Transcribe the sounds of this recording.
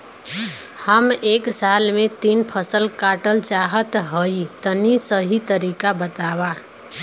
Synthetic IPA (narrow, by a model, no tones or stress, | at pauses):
həmeːksalmẽt̪iːnpʰəsəlkaːʈəlt͡ʃaɦət̪ɦəit̪ənisəɦit̪əɾikabət̪awa